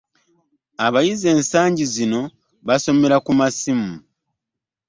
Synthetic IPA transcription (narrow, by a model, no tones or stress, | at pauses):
aβajize̞ːnsaːɲɟizino̞ | βaso̞me̞ɾakumasimu